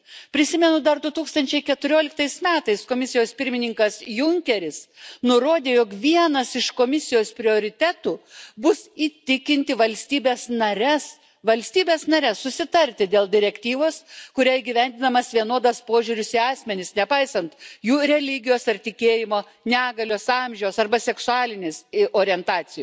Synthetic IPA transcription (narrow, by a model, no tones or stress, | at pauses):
pʲɾʲɪsʲɪmʲɛnʊd̪ɐrd̪ʊt̪uːkst̪ɐnʲt͡ʃʲɛɪkʲɛt̪ʊɾʲoːlʲɪkt̪ɐɪsmʲæːt̪ɐɪskoːmʲɪsʲɪjoːspʲɪɾʲmʲɪnʲɪŋkɐsjʊŋʲkʲɛɾʲɪsnʊɾoːd̪ʲeːjoːkʋʲiɛnɐsɪʃkomʲɪsʲɪjoːspʲɾʲɪoːɾʲɪt̪ʲæːt̪uːbʊsiːt̪ʲɪkʲɪnʲt̪ʲɪʋɐlʲsʲt̪ʲiːbʲeːsnɐɾʲɛs | ʋɐlʲsʲt̪ʲiːbʲeːsnɐɾʲɛssʊsʲɪt̪ɐɾʲt̪ʲɪd̪ʲeːlˠd̪ʲɪɾʲɛkt̪ʲiːʋoːskʊɾʲæːiɡʲɪʋʲɛnʲd̪ʲɪnɐmɐsʋʲiɛnoːd̪ɐspoːʒʲuːɾʲʊsɪɑːsʲmʲɛnʲɪsnʲɛpɐɪsɐnt̪juːɾʲɛlʲɪɡʲɪjoːsɐrt̪ʲɪkʲeːjɪmoː | nʲæːɡɐlʲoːsɑmʲʒʲɛwsɐrbɐsʲɛksʊɑːlʲɪnʲeːsʔoːɾʲɪɛnt̪ɑːt͡s̪ʲɪjʊ